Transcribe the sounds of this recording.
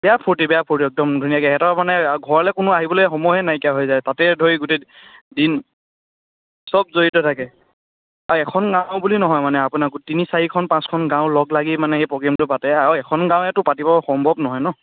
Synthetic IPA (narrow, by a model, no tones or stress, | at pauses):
bɛjapʰoɹtibɛjapʰoɹtiɛk̚tɔmdʱunijakɛɦɛtamanɛɡʱɔɹalɛkʊnʊaɦibɔlojxɔmɔjɦɛnajkjaɦojzajtatɛdʱoiɡute | din | sɔb̚zoɹitɔtʰakɛ | aɹɛkʰɔnɡãʊ̃bulinɔɦɔjmanɛapunaɡtinisaɹikʰɔnpãskʰɔnɡãʊ̃lɔɡlaɡimanɛxejpɹɔɡɛmtʊpatɛaɹuɛkʰɔnɡãwɛtʊpatipabɔxɔmbʱɔbnɔɦɔjnɔ